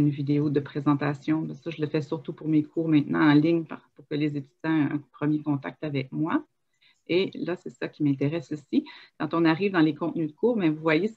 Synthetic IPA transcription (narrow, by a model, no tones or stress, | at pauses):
ynvid̪eod̪əpχezɑ̃t̪asjɔ̃bɛ̃saʒələfɛsyʁt̪upuʁmekʰuːʁmɛ̃t̪nɑ̰̃ɑ̃lɪɲpaʁpuʁkʲəlezet̪y̥zã̰pχəmjekɔ̃t̪a̰k̚t̪avɛk̚mwa | elasɛsakʲimɛ̃t̪eʁɛsosikɑ̃t̪ɔ̃naʁiːvd̪ɑ̃lekɔ̃t̪nyd̪əkʰuːʁbɛ̃vuvwaje